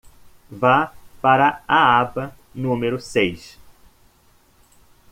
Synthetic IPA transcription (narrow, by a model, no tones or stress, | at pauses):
vapaɾɐaabɐ | nũmeɾʊsejʃ